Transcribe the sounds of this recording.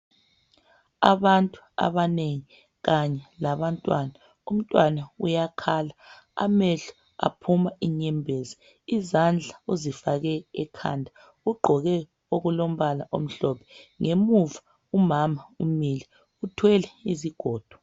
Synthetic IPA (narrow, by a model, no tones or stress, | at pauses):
aβantʼu̥a̰βaneŋi | ɣaɲɛlaβantʼwana | um̩tʼwanaujakʰala | a̰meɬu̥ | a̰pʰumaiɲɛmbʱezi | izand͡ɮʱauzifaɣɛːkʰa̰ndʱa | uɡ͡ǃʱɔɣɛ | oɣulom̩βalaʔom̩ɬɔpʰɛ̥ŋemuva | umamaumilɛ | utʰwɛlɛiziɡ̥ʱɔːd̥ʱwḁ